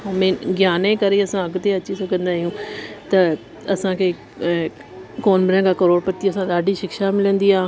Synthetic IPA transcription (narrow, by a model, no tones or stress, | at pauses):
mẽːɡjaːnekɐɾeɐsãɐɡt̪eɐt͡ʃisokə̃nd̪aːɦijũːt̪ɐ | ɐsãkʰe | koːnbɪɾə̃ːɡaːkɐɾoːɾpət̪ːiɐsãɗ̪aːɖiʃɪkʃamɪlə̃nd̪iːãː